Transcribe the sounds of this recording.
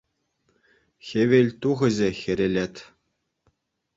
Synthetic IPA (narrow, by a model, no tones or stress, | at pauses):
xʲĕʋʲelʲt̪uʁɘ̆ʑɘ̆xʲɘ̆ɾʲĕlʲet̪ʲ